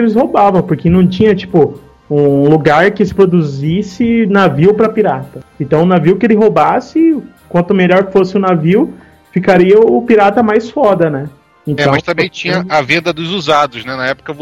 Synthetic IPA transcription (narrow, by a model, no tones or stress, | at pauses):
elɪshobavɐ̃w̃poɾkɪnɐ̃w̃t͡ʃĩɲɐt͡ʃi̥pʊ | ũluɡaɾkɪsɪ̥pɾod̪uzisɪnaviwpɾɐpiɾat̪ɐẽt̪ɐ̃w̃ʊnaviwkelɪɦobasɪkwɐ̃nt̪ʊmeʎɔɾfosɪʊnaviw | fikaɾiɐʊpiɾat̪ɐmajsfɔd̪ɐnɛ | ẽt̪ɛɐ̃mɐ̃st̪ɐ̃mbẽj̃t͡ʃĩɲɐɐvẽnd̪ɐd̪ʊzuzad̪ʊznɛnɐɛpʊ̥kɐ